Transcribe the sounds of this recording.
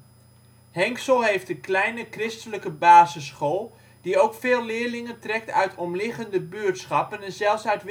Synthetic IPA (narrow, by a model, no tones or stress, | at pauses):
hɛŋksəlˠɦejftəklɛjnəkrɪstələkəbaːzəsχoːlˠ | d̥iowkfeːlˠlɪːɹlɪŋəntrɛk̚tœ̰ɥtʰɔmlɪχəndəbøːətsχɑpənɛnzɛlˠfsœɥtʋ